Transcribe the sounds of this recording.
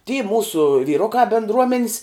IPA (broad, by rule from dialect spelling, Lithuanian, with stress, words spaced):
tʲiː ˈmuːsʊ ʋʲiːˈrʊkɑː bʲɪndˈruɔmʲɛnʲs